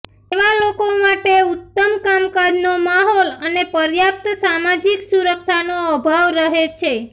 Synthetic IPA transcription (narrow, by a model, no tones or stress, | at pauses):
eʋalokomaʈeʊt̪ːəmkamkad͡ʒnomaɦɔlənepəɾjap̚t̪samad͡ʒiksuɾəkʃanoəbʱaʋɾəɦet͡ʃʰe